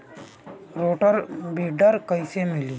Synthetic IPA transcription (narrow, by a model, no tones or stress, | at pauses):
ɾoːʈəɾbiɖəɾkəisemɪliː